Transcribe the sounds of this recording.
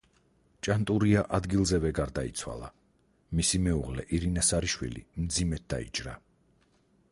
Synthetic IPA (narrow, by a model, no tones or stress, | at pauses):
t͡ʃʼant̪ʼuɾiaʔad̪ɡilˠzɛvɛɡaɾd̪ait̪sʰwa̰lˠa̰ | misimɛuʁlɛʔiɾinasaɾiʃwḭlḭmd̪zimɛt̪̚d̪a̰ḭt͡ʃʼɾa̰